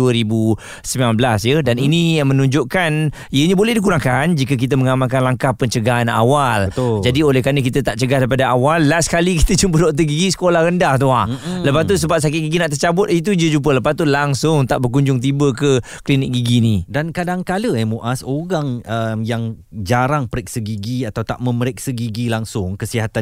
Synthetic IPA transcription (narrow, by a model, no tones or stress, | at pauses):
uəɾibu | səmbilanbəlasjədaninimə̃nũɲd͡ʒʊʔkan | ijəɲabolɛhdikuɾaŋkand͡ʒikək̬it̪̬əməŋamankanlaŋkahpəɲt͡ʃəɡaɦana̰walət̪d͡ʒadiolɛhkɾanək̬it̪ət̪aʔt͡ʃəɡahdajpadaawalːasə̥kaliki̥t̪ət͡ʃumpədɔʔt̪əɡiɡisə̥kolahɾəndaht̪uahləpast̪us̬əbap̚s̬ak̬ɪt̪̚ɡiɡinaʔt̪̬ərt͡ʃabʊt̪̚it̪̬ud͡ʒəd͡ʒup̬ələpast̪ulaŋsʊŋt̪aʔbərkuɲd͡ʒʊŋt̪̬ibəkə | klinɪk̚ɡiɡinidankadaŋkaləɛmoʔasoɾaŋəmjaŋ | d͡ʒaɾaŋpəɾɛk̚səɡiɡiat̪awt̪a̰ʔməməɾɛk̚səɡiɡilaŋsʊŋkəsiɦat̪a